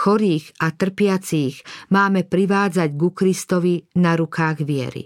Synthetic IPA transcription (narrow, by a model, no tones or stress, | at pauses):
xɔɾiːɣat̪r̩pɪat͡siːɣmaːmɛpɾiʋaːd͡zaɟɡukɾist̪ɔʋinaɾukaːɣʋɪɛ̰ɾḭ